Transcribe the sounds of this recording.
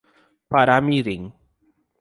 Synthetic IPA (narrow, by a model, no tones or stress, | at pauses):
paɾamiɾiŋ